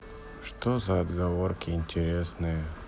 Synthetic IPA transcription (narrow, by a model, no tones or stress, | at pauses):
ʂt̪ozɐːd̪ɡɐvoɾkʲɪɪnʲtʲɪɾʲesnɨjə